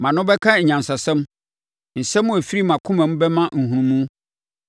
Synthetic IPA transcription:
mã˨nʊ̃˦bɛ˦kʰã˦ɲ̩˨ɲã˨nsa˨sɛ̃˦m | n̩˨sɛ̃˦mʊ̃˦æ˨fi˦ɾi˦mã˨kʰʊ̃˦mɛ̃˨m˦bɛ˦mã˦n̩˨hũ˨ɾũ˦mũ˦

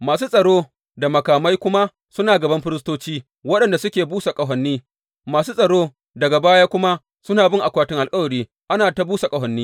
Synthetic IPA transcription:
maː˨s̬uː˦sʼɐ˨ɽoː˦ | da˨mɐ˨kaː˨ma˦jkʷʊ˦ma˦ | sʊ˦naː˨ɡɐ˨bɐ˦mɸɪ˦ɾɪ˦s̬toː˦t͡ʃiː˦ | wɐ˦ɗɐ˨nda˨sʊ˦kʲeː˨buː˦sa˨kʼɐ˨ɦɐ˨nːiː˦ | maː˨suː˦sʼɐ˨ɽoː˦ | dɐ˨ɡa˨baː˦jaː˦kʷʊ˦ma˦ | sʊ˦naː˨bɪ˦ŋʔa˨kʷaː˦tɪ˦ŋʔa˨lkʼɐ˦wɐ˨ɽiː˦ | ʔa˦naː˨ta˦buː˦sa˨kʼɐ˦˨ɦɐ˨nːiː˦

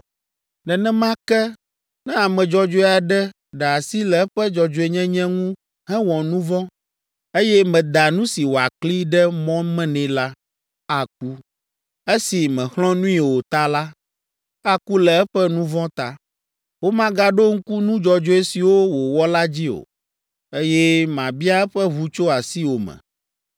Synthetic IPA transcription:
nɛ̃˨nɛ̃˦mã˦kɛ˦ | nɛ̃˦a˨mɛ̃˨d͡ʒɔ˦d͡ʒo˦e˦a˨ɖɛ˦ | ɖa˨si˦lɛ˨ɛ˦ɸɛ˦d͡ʒɔ˨d͡ʒo˨e˨ɲɛ̃˦ɲɛ̃˦ŋũ˦ | ɦɛ̃˦wɔ̃˨nũ˦vɔ̃˦ | e˦jɛ˦mɛ̃˨d̪a˨nũ˦si˨wo˨a˨kk͡pli˦ɖɛ˦mɔ̃˦mɛ̃˦nɛ̃˨la˦ | a˨k̚u˦ | e˦si˨mɛ̃˨xlɔ̃˦nũ˦ĩ˦˨wo˨t̪a˦la˦ | a˦ku˦lɛ˨ɛ˦ɸɛ˦nũ˦vɔ̃˦t̪a˦ | wo˦mã˦ɡa˦ɖo˦ŋ̩˦ku˦nũ˦d͡ʒɔ˨d͡ʒo˦e˦si˨wo˦wo˨wɔ˦la˦d͡ʑi˦o̰˨ | e˦jɛ˦mã˨bi˦a˦ɛ˦ɸɛ˦βu˦t͡ʃo˦a˨si˦wo˨mɛ̰̃˨

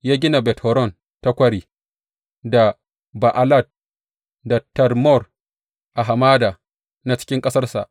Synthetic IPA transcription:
jaː˦ɡʲɪ˦na˨bɛ˨tɔ˨ɾɔ˦˨n | ta˦kʷɐ˦ɽiː˨ | da˨ | ba˨ʔa˨la˦˨d̚ | da˨tɐ˨rmɔ˦˨r | ʔa˨ɦa˨maː˦da˨ | na˨t͡ʃɪ̥˦kʲɪ˦ŋkʼɐ˦sɐ˦rsa̰˨ʔ

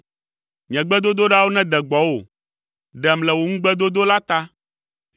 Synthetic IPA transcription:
ɲɛ̃˨ɡ͡bɛ˦d̪o˦d̪o˦ɖa˦wo˦nɛ̃˦d̪ɛ˨ɡ͡bɔ˨wo˨ | ɖɛ˨mlɛ˨wo˨ŋũ˦ɡ͡bɛ˦d̪o˦d̪o˦la˦t̪a˦

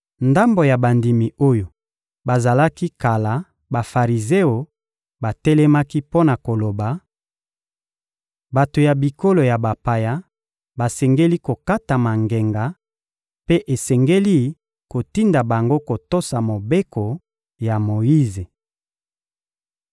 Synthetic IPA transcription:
nda˦mbo˨ja˨ba˨ndi˨mi˨o˦jo˨ | ba˨za˨la˦ki˦ka˨la˨ | ba˨fa˨ʁi˨ze˦o˨ | ba˨tɛ˦lɛ˦ma˦ki˦po˦na˨ko˨lo˨ba˨ | ba˨to˨ja˨bi˨ko˦lo˨ja˨ba˨pa˨ja˦ | ba˨sɛ˨ŋɡe˦li˦ko˨ka˦ta˨ma˨ŋɡe˨ŋɡa˨ | pe˦ʔe˨sɛ˨ŋɡe˦li˦ | ko˨ti˦nda˨ba˨ŋɡo˦ko˨to˦sa˨mo˨be˦ko˨ | ja˨mo˨ji˦ze˨

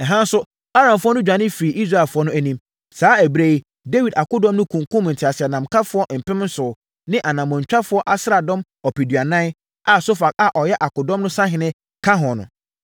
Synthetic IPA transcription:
ɛ˨ɦã˦n˦sʊ˦ | a˦ɾã˨mfʊ˦ɔ˦nʊ̃˦d͡ʑᶣã˨˦nɪ̃˦fi˨ʔi˦s̬ɾa˦˨fʊ˦ɔ˦nʊ̃˦æ˨nĩ˦m | saː˨˦æ˨bɾe˦i˦ | de˦wi˨da˨kʊ˦dɔ̃˦mnʊ̃˦kʰũ˨ŋ˨kʰʊ̃˦m˨n̩˨tʰɪ˨a˨sɪ˨ɛ˨nã˨mkʰa˦fʊ˦ɔ˦m̩˨pʰɪ̃˦m˦n̩˦sʊ˨ | nɪ̃˦ʔa˨nã˨mɔ̃˨ɲ˨t͡ɕᶣa˦fʊ˦ɔ˦ʔa˦sɾa˨dɔ̃˦m | ɔ˨pʰi˨dɥa˨nã˦n˦ | a˨so˦fa˨k̚a˨ʔɔ˨jɛ˦ʔa˨kʊ˨dɔ̃˦mnʊ̃˦sã˦ɦɪ̃˨nɪ̃˦ | kʰa˦ɦɔ̃˨nʊ̰̃˨

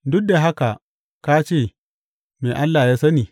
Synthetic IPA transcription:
dʊ˦k̚da˨ɦa˦ka˨ | ka˦t͡ʃeː˦˨ | meː˨ʔa˦lːaː˨jaː˦sɐ˦niː˨

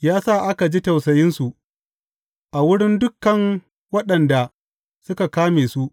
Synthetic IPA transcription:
jaː˦sa˦˨ʔa˦ka˨d͡ʒiː˦tɐ˨wsɐ˨jɪ˦nsu˨ʔ | ʔa˨wʊ˦ɽɪ˦ndʊ˦kːɐ˨ŋ | wɐ˦ɗɐ˨nda˨ | sʊ˦ka˨kaː˦meː˨su˦ʔ

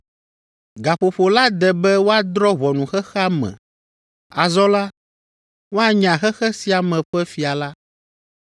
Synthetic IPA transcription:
ɡa˨ɸo˨ɸo˨la˦d̪ɛ˨bɛ˦wo˦a˦d̪ɾɔ˦βɔ˨nũ˨xɛ˦xa˦mɛ̰̃˨ | a˨zɔ˦la˦ | wo˦a˨ɲã˨xɛ˦xɛ˦si˨a˨mɛ̃˨ɸɛ˦fi˨a˨la˦

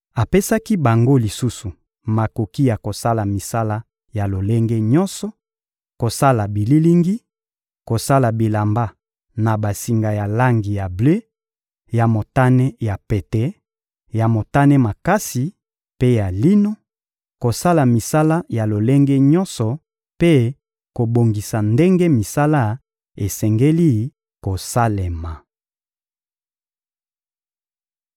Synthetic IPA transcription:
a˨pe˦sa˦ki˦ba˨ŋɡo˦li˨su˦su˨ | ma˨ko˨ki˦ja˨ko˨sa˦la˨mi˨sa˦la˦ | ja˨lo˨le˦ŋɡe˦ɲɔ˦nsɔ˨ | ko˨sa˦la˨bi˨li˦li˦ŋɡi˦ | ko˨sa˦la˨bi˨la˨mba˦ | na˨ba˨si˨ŋɡa˨ja˨la˦ŋɡi˨ja˨ble˦ | ja˨mo˨ta˦nɛ˦ja˨pe˨tɛ˦ | ja˨mo˨ta˦nɛ˦ma˨ka˦si˨ | pe˦ja˨li˦no˦ | ko˨sa˦la˨mi˨sa˦la˦ja˨lo˨le˦ŋɡe˦ɲɔ˦nsɔ˨ | pe˦ | ko˨bo˨ŋɡi˨sa˨nde˦ŋɡe˦mi˨sa˦la˦ | e˨sɛ˨ŋɡe˦li˦˨ | ko˨sa˦le˨ma˨

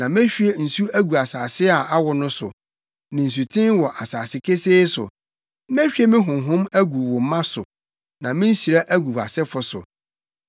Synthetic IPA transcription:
nã˨m˦ɛ˦ɕᶣi˦e˨n̩˨su˦æ˦ɡu˨a˨saː˨sɪ˦a˨ʔa˦wɔ˨nʊ̃˦sʊ̰˨ | nɪ̃˨n̩˨s̬u˨tʰɪ̃˦nwɔ˨ʔa˨saː˨sɪ˦kʰe˦seː˦sʊ̰˨˦ | m˦æ˦ɕᶣi˦e˦mɪ̃˦ɦʊ̃˨ɦʊ̃˦mæ˦ɡu˨wɔ̃˨m˦mːã˦sʊ̰˨ | nã˨mɪ̃˦n̩˦ɕi˨ɾa˦ʔæ˦ɡu˨ba̰˨sɛ˦fʊ˨sʊ̰˨

